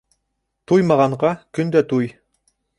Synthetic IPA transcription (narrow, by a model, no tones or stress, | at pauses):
t̪ujmɑʁɑɴɢɑkɵnd̪æt̪uj